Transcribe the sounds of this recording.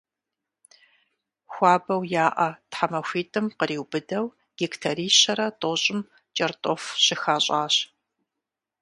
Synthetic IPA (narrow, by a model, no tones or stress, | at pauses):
xʷɑːbɐwjaːʔɐtħamɐxʷiːtʼɨmqəɾiːwbɨdɐw | ɡ̥iktʰɐɾiːɕɐɾɐtʼoɕʼɪm | t͡ʃʼɐrtʼɔfɕɪxaːɕʼaːɕ